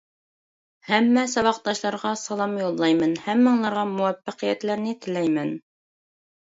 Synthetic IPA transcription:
hæmːæsɑβɑq̚d̪ɑʃlˠɑɾʁɑsɑlˠɑmjulˠːɑjmɤnhæmːɤ̆ɴlˠɑɾʁɑmuwæfːæqijæt̪læɾnɘt̪ɘ̆læjmæn

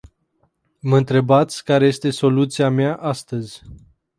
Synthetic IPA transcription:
məɨnt̪ɾe̞bat̪sʲkaɾe̞je̞st̪e̞so̞lut̪siameaʔast̪əzʲ

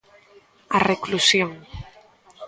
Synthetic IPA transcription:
areklusjoŋ

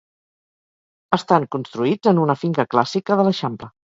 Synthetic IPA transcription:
əst̪aŋkunst̪ɾuid͡zənunəfiŋkəklasikəðələʃamplə

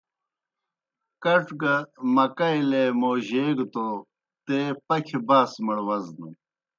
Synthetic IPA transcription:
kɐʈɡɐmɐkɐjlemoːʑeːɡt̪o | t̪epɐkʰebaːsmɐɽwɐznɐ

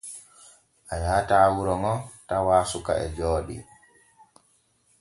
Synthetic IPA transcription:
ʔajaːtaːwuɾɔŋɔtawaːsuka̰ɛ̰d͡ʒɔːɗḭ

